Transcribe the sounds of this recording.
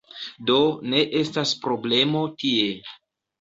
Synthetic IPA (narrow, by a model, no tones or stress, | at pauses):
do̞ne̞ʔe̞staspɾo̞ble̞mo̞tie̞